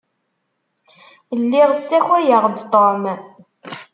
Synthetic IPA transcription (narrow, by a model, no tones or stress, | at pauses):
lːiʁəsːæçæjəʁd̪t̪ˤom